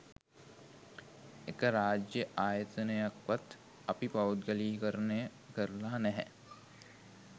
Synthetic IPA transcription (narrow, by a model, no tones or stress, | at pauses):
ekəɾaːd͡ʒjəʔaːjət̪ənəjakʋat̪ | ɐpipɐwut̪ɡəliːkəɾnə | kəɾlaːnɛɦɛ̰